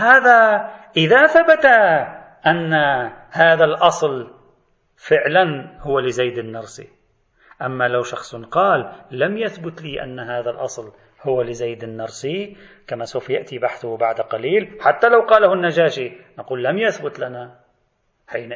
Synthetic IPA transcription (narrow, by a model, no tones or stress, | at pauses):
haːðaʔɪðaθabat̪a | ʔanːahaːðalʔɑsˤl | fɪʕlanhʊwalɪzajd̪ɪnːɑɾˤsˤḭ | ʔamːalawʃɑxsˤnqɑːlːamjaθbʊt̪liːʔa̰nːɦaːðalʔɑsˤl | hʊwalɪzajd̪ɪnːɑɾˤsˤi | kamasawfjaʔt̪ibaħθʊbaʕd̪qɑliːlħat̪ːalawqɑːlːahʊnːad͡ʒaːʃinɑquːlːamjaθbʊt̪lana | ħiːn